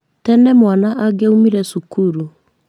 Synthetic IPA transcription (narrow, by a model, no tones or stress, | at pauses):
tɛnɛmwanaʔaɡeumiɾɛsukuɾu